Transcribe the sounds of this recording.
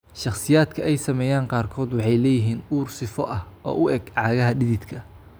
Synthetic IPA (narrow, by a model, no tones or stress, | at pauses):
ʃɑχsɪjaːd̪kʰɐʔɛjsɐmɛːjaːɴqɑːrkʰɔːd̪wɑħɑjlɛːjɪɦiːnuːrsɪfɔʔɐhʔɔ̰ːʔʊʔɛɡʕɑːɣɐɦɐɖɪðɪd̪kʰɐ